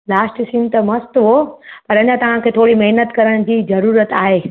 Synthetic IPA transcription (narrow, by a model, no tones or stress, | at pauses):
laːsʈsɪ̃nt̪ɐmɐst̪ɦopɐɾɐɲãt̪ɐʋ̤ãkʰeːt̪ʰoːɽimɐɦnət̪kɐɾəɽ̃d͡ʑiːzɐɾuːɾət̪aːɦeː